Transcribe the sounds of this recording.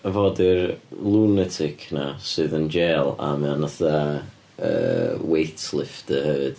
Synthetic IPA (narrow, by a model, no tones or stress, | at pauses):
əvɔːdɪrlˠunɛtʰɪkʰnasɨːðənd͡ʒeːlˠa̰mɛnaθa | ə̰ːwejtʰlˠɪftəhəvɨd̥